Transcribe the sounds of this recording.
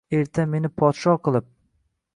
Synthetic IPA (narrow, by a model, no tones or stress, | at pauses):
e̞ɾt̪ʰame̞nɪpʰɒt̪ʃɒqʰɨlˠɪp̚